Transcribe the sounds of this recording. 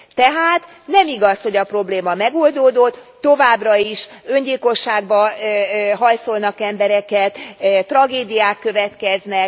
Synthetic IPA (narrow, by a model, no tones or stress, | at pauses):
t̪ɛɦaːt̪ | nɛmiɡɒsho̞ɟɒpro̞bleːmɒmɛɡo̞ld̪oːd̪o̞t̪ːo̞vaːbrɒiʃø̞ɲɟilko̞ʃːaːɡ̚bɒ | ɦɒjso̞lnɒkɛmbɛɾɛkɛt̪t̪ːrɒɡeːd̪ijaːkːø̞vɛt̪kɛznɛk̚